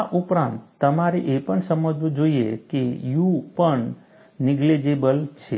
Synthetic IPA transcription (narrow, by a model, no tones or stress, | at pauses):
ʔupɾãnt̪ːəmaɾeʔepəɳsəməd͡ʒʋud͡ʒoiḛkejũpəɳ | nɪɡled͡ʒebəlt͡ʃʰe